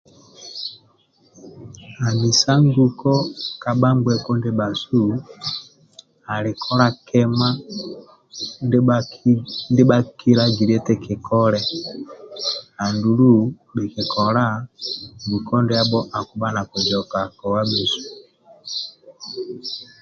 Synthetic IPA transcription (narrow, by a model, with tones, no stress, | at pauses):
a˨mi˨sa˦ŋɡu˦kɔ˦ka˨ɓa˦ŋɡwɛ˦kɔ˦ndɛ˦ba˨su˦ | a˨li˨kʰɔ˦ɾa˦kɛ˦ma˦ | n˦ | ndi˦ɓa˦ki˦ɾa˦ɡi˨ɾɛ˦tɛ˦kɛ˨kʰɔ˦lɛ˦ | a˨ndu˨lu˦ | bi˨ki˨kɔ˨ɾa˦ŋɡu˨kɔ˦ndɛ˦a˦bɔ˦ʔa˨ku˨ɓa˦na˨ku˨d͡ʒɔ˨ka˨kɔ˨wa˦bi˨su̥˨